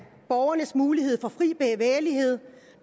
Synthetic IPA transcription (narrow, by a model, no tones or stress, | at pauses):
b̥ɒʊɐnəsmuːlihe̝ð̞̰ˠfɒ̽fʁḭːb̥ɛːʋeːɐlihe̝ð̞̰ˠ